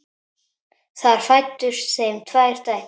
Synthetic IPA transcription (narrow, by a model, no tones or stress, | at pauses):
θaɾ̥fajt̪ːʏɾ̥sɛmt̪ʰvaːjɾ̥t̪aj